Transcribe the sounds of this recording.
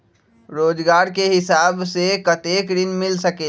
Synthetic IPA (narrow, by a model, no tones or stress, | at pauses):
ɾoːd͡ʒɡaːɾkeɦɪsaːbsekɐt̪eːkd̪ɪnmɪlsəkeː